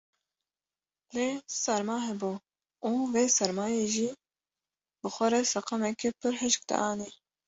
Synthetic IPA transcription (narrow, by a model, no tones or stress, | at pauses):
leːsɛɾmaːɦɛbuː | ʔuːveːsɛɾmaːjeːʒiː | bɨxʷɛɾɛsɐqɑmɛkepɨɾɦɪʃk̚d̪ɛ̰ʔɑːniː